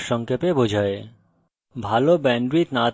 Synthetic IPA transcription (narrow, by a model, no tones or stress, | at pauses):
ʃɔŋkʰepebod͡ʑʱae | bʱalobɛɳɖɾit̪na